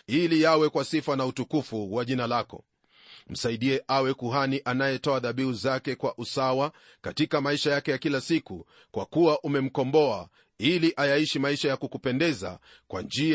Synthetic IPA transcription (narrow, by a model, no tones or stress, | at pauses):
ilijawɛkwasifanautukufuwaʄinalakɔ̰ | m̩saiɗiɛʔawɛkuɦaniʔanajɛtɔaðaɓiuzakɛkwaʔusawa | katikamaiʃajakɛjakilasiku | kwa̰kuwaʔumɛm̩kɔmbɔa | iliʔajaiʃimaiʃajakukupɛndɛza̰ | kwa̰nd͡ʒi